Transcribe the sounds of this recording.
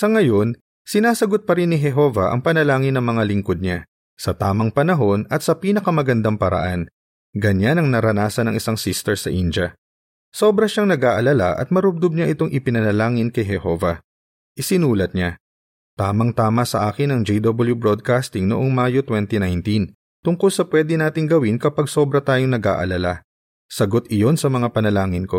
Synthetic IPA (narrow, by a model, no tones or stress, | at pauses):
sɐŋɐjo̞n | sɪnaːsɐɡo̞t̪̚pɐɾɪnːɪɦɛɦo̞vɐʔɐ̰ŋpɐnɐlaːŋɪnːɐŋmɐŋalɪŋko̞d̪̚ɲa | sɐt̪aːmɐŋpɐnɐɦo̞nɐt̪̚sɐpiːnɐkɐmɐɡɐnd̪aŋpɐɾɐ̰ʔan | ɡɐɲanɐŋnɐɾɐnaːsɐnɐŋʔɪsaŋsist̪ɛɹsɐʔind͡ʒɐ | so̞bɾɐʃaŋnɐɡʔaːʔɐlɐla̰ʔɐ̰t̪̚mɐɾʊb̚d̪ob̚ɲaʔɪt̪o̞ŋʔɪpɪnɐnɐlaːŋɪnkɐjɦɛho̞ːvɐ | ʔɪsɪnuːlɐt̪̚ɲa | t̪aːmɐŋt̪aːmɐsɐʔaːkɪnɐŋd͡ʒɛjd̪obɐljubɹod̪̚kast̪ɪŋno̰ʔo̞ŋmajo̞t̪wɛnt̪inajnt̪in | t̪ʊŋkʊlsɐpwɛːd̪ɪnaːt̪ɪŋɡɐwɪnkɐpɐɡso̞bɾɐt̪aːjoŋnɐɡa̰ːʔɐ̰lɐla | sɐɡo̞t̪ɪjo̞nsɐmɐŋapɐnɐlaːŋɪnko̞